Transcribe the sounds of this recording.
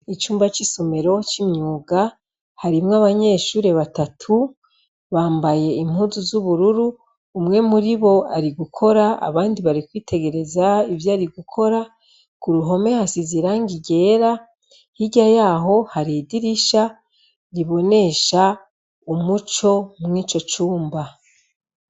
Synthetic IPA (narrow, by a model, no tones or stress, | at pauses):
it͡ʃuːmbat͡ʃisome̞ɾo̞t͡ʃimɲuːɡa | haɾimŋaβaɲe̞ːʃuːɾe̞βatatʰu | βaːmbaje̞im̥huzuzuβuɾuɾuː | mŋe̞muɾiβo̞a̰ɾiɡukʰo̞ɾaa̰βaːndiβaɾikwiːtʰe̞ɡe̞ɾe̞zaivjaːɾiɡukʰo̞ɾa | kuɾuɦo̞me̞hasiziɾaŋɡiɟe̞ːɾa | hiɟajaːɦo̞haɾidiɾiʃa | ɾiβo̞ne̞ʃa | umut͡ʃo̞mŋiːt͡ʃo̞t͡ʃuːmba